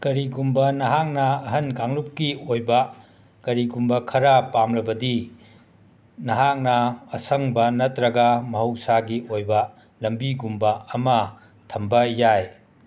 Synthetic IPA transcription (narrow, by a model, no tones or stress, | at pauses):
kɐɾiɡumbɐnɐɦak̚nɐɐɦɐnkaŋlup̚kiojbɐ | kɐɾiɡumbɐkʰɐɾɐpamlɐbɐdi | nɐɦak̚nɐːsɐŋbɐnɐtɾɐɡɐmɐɦɐwsaɡiʔojbɐ | lɐmbiɡumbɐɐmɐ | tʰɐmbɐjaj